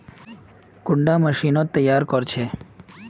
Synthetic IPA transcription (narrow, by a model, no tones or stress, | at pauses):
kʊɳɖaməʃinot̪ːəjːaɾkɔɾt͡ʃʰe